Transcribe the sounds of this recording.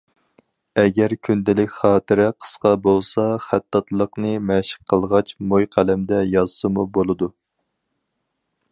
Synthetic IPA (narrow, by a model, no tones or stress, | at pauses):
ɛɡʲɛɾkʲʰynd̪ɪlɪkʲχɑːt̪ʰɨɾɪqʰə̥sqɑbolˠsɑχæt̪ːɑt̪lˠəqnɨmɛʃɪ̥qqʰːəlˠʁɑt͡ʃmojqʰælæmd̪ɛjɑzsɨmubolˠɨd̪u